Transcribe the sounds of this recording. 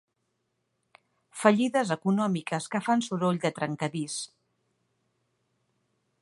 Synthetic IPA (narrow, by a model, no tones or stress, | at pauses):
fəʎiðəzəkunɔmikəskəfansuɾoʎd̪ət̪ɾəŋkəβis